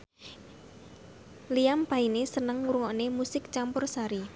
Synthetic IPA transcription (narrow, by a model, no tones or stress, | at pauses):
liampainesənəŋuɾuŋɔnemusɪk̚t͡ʃampʊrsaɾi